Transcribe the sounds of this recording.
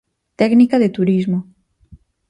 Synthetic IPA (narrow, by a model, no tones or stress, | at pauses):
t̪ɛknikaðet̪uɾizmo